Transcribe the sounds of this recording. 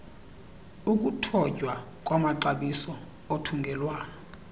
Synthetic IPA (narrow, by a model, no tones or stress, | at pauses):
uk̬ʼutʰɔ̥ʒ̥ʱwa | kʼwamaǃaɓisɔ | otʰuŋɡʱɛlwaːnɔ